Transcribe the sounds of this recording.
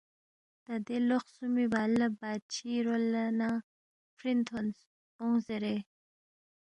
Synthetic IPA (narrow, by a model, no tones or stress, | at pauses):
d̪̥ad̪eloxsumibalabat͡ʃʰiɾolana | fɾint̪ʰons | oŋzeɾe